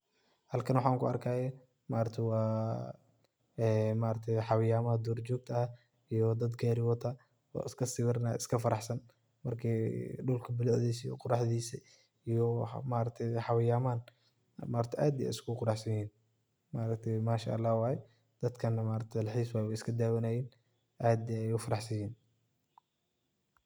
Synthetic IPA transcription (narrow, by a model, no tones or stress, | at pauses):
hɐlkʰɐnwħaːŋkʰʊɐ̰rkʰaːjɛ | maːɾɐt̪ʰɛwɑː | ɛmaːɾɐt̪ʰɛjħɑwɪjaːmɐɐd̪ɔːrd͡ʒɔːɡ̚t̪ʰɐɐ | ijɔd̪ɐd̪ɡɛːɾɪwɔt̪ʰɐ | ɔ̰ːɪskʰɐsɪβɪɾna̰ɪ̰skʰɐfɐɾɑħsɐn | mɐrkʰiːɖʊlkʰɐbɪlʊʕðiːsjɔqʊɾɑħðiːsɐ | ijɔmaːɾɐk̚t̪ʰɛħɑwɪjaːmaːn | maːɾɐkt̪ʰɛʔaːd̪ɛɛ̰jɪskʰʊqʊɾɑħsɐjhiːn | maːɾɐkt̪ʰɛjmaːʃa̰ʔɐlːɑːhwɑːjɛ | d̪̥ɐd̪kʰɐnːɐmaːɾɐk̚t̪ʰɛlɐħiːswawɛɪskʰɐd̪aːwɐnajiːn | ʔaːd̪ɛɛjʊfɐɾɑħsɐjiːn